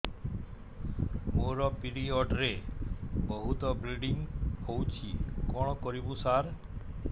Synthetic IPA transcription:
moɾɔpiɾiɔɖɾe | bɔɦut̪ɔbɾiɖiŋhowt͡ʃʰikɔɽ̃ɔkɔɾibusaɾ

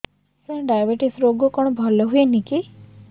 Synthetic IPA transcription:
sɛ̃ɖajabeʈisɾoɡɔkɔɽ̃ɔbʱɔlɔɦujeniki

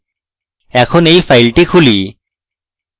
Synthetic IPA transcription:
ɛkʰɔnejfʰajlʈikʰuli

